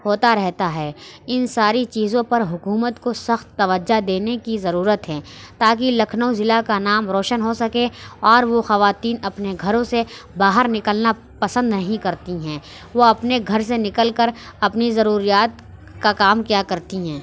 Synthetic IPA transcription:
ɦoːt̪aɾɛɦt̪aɦɛː | ɪnsaːɾit͡ʃiːzõpɐɾɦʊkuːmət̪kosɐxt̪ːɐʋəd͡ʒad̪eːnekizɐɾuːɾət̪ɦɛ̃ː | t̪aːk̬ilɐkʰnowzɪlakanaːmɾoːʃənɦosɐkeɔːɾʋoxɐʋaːt̪iːnɐpneɡʱɐɾõsebaːɦəɾnɪkəlna | pɐsə̃nd̪nɐɦĩkɐɾt̪iɦɛ̃ː | ʋoɐpneɡʱɐɾs̬enɪkəlkəɾɐpnizɐɾuːɾijaːt̪̚ | kakaːmkjakɐɾt̪iɦɛ̃ː

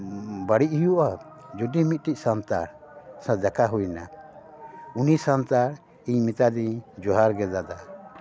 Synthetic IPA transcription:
baɽiʔ̚ɦijuʔad͡ʒudimit̪̚ʈic̚sant̪a̰ɾsãd̪akaɦujna | unisant̪aɾ | iɲmit̪ad̪iɲd͡ʒɔɦaɾɡɛd̪ad̪a

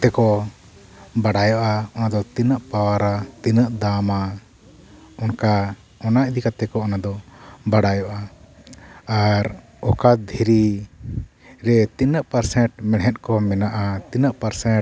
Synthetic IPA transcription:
t̪ɛkɔ | baɽajɔʔaɔnad̪ɔt̪inəʔpawaɾat̪inəʔd̪ama | ɔnka | ɔnaʔd̪ikat̪ɛkɔɔnad̪ɔbaɽajɔʔa | aɾ | ɔkad̪ʱiɾi | ɾɛt̪inəʔpaɾsɛʈmɛɽɦɛt̪̚kɔmɛnaʔat̪inəʔpaɾsɛ̃

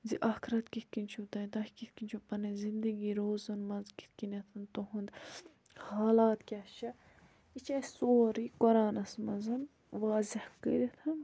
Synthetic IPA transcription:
ziʔɐkʰɾɐt̪kit̪̚ʰkinʲt͡ʃʰut̪ɐjt̪ɐhʲkit̪̚ʰkinʲt͡ʃʰupɐnɐzind̪əɡiːɾoːzɐnmɐzki̥t̪̚ʰkinʲɐt̪ʰɐnt̪oɦund̪ | haːlaːt̪kʲaʃɐ | it͡ʃasoːɾiːkɔɾaːnɐsmɐzɐn | ʋaːzihkə̰ɾit̪ʰɐn

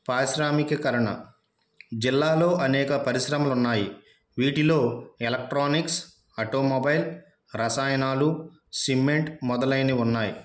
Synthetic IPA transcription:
paːʃɾaːmikɐkɐɾɐɳɐ̰ | d͡ʒilːaːlo̞ːʔɐnɛːkɐpɐɾiʃɾɐmɐlunːaːji | ʋiːʈilo̞ːelɐk̚ʈɾoːniks | ɐʈoːmːɐbɐjl | ɾɐsaːjɐnaːlu | simːeɳʈmɔd̪ɐlɐjniunːaːjḭ

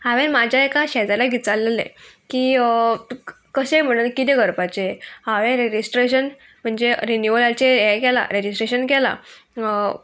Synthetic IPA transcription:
haʋẽnmad͡ʑʱjaekaɕɛd͡zalaɡit͡salelḛkiː | kəɕem̤əɽ̃uːnkit̪ɛɡəɾpat͡ɕehaʋẽnɾed͡ʑisʈɾeɕən | m̤əɳd͡zeɾinjuʋolat͡ɕejɛkɛla̰ɾed͡ʑisʈɾeɕənkɛla̰

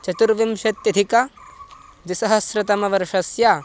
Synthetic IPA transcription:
t͡ʃɐt̪uɾʋimʃɐt̪jɐd̪ʱikɐ | d̪isɐɦɐsɾɐt̪ɐmɐʋɐɾʂɐsjaː

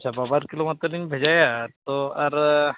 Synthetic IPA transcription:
sababaɾkilomat̪ɾɔliɲbʱed͡ʒajat̪ɔaɾ

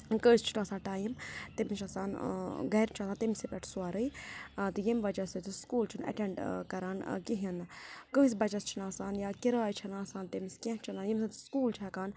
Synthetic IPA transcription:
kəːst͡ʃʰinaːsaːʈaːjimt̪imit͡ʃʰasaːnɡɐjɾt͡ʃʰasaːnt̪imsipʲɛʈʰsuaːɾɨjt̪ɨjimʋɐd͡ʒɐsɐt̪iskuːlt͡ʃʰinɐ̰ʈeɳɖkɐɾaːnkiɦinkəɦis̬ʲbɐt͡ʃɐst͡ʃʰinaːsaːnjaːkiɾaːjt͡ʃʰɐnãːsaːnt̪imiskʲẽɦt͡ʃʰɐnaːnjimsaːnt̪skuːlt͡ʃʰakaːn

